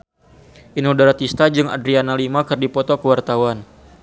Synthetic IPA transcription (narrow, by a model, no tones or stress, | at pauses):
ʔinudaɾat̪ist̪ad͡ʒɨŋa̰dɾianalimakɨrdipɔt̪okəwart̪awan